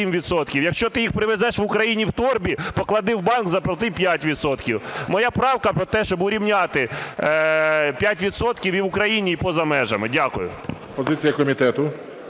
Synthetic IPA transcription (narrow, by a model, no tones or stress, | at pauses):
imʋʲid̪sɔt̪kʲiwjɐkʃt͡ʃɔt̪ɪjixpɾɪʋezɛʃʋʊkɾɐjinʲiwt̪ɔrbʲipɔklˠɐd̪ɪwbɑnkzɐplˠɐt̪ɪpʲjatʲʋʲid̪sɔt̪kʲiwmɔjɑpɾɑwkɐpɾɔt̪ɛʃt͡ʃɔbʊɾʲiwnʲɑt̪ɪ | pʲjatʲʋʲid̪sɔt̪kʲiwiwʊkɾɐjinʲiːpɔzɐmɛʒɐmɪdʲakʊjʊ̰pɔzɪt͡sʲijɐkɔmʲit̪ɛt̪ʊ